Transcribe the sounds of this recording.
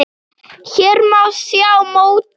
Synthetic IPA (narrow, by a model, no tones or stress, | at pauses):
çɛɾmawsjawmoːwt̪